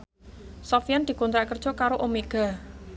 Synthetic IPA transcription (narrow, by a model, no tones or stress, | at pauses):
sɔfijand̪̥i̤kɔnt̪ɾaʔkərd̥ʒ̥ɔ̤kaɾoʔomeɡ̥a̤